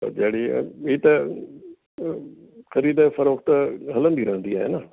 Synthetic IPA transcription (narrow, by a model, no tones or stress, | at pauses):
o̰d͡ʒeːɽiiːt̪ɐ | xɐɾiːd̪efɐɾoːkt̪ɐɦɐlə̃nd̪iːɾɐɦnd̪iaːɦḛna